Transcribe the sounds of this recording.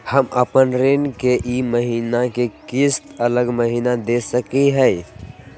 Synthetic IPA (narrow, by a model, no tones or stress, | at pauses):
həməpənɾenkeʔiməɦiːnakekɪst̪ələɡməɦiːnad̪esəkiɦɛj